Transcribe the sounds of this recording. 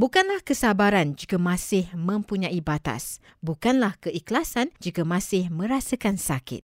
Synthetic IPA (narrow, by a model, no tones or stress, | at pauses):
bukanlahkəsabaɾand͡ʒiɡamãsɪhmə̃mpuɲãʔibat̪a̰s | bukanlahkəʔiklasand͡ʒiɡamãsɪhmə̃ɾasakansakɪ̰t̪̚